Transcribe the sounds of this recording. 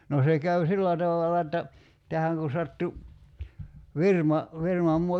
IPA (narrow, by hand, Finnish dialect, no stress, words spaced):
no se kæy silːæ tɑʋɑlɑ etːæ tæhæŋ ku sɑtːu ʋirmɑ ʋirmɑm muɑ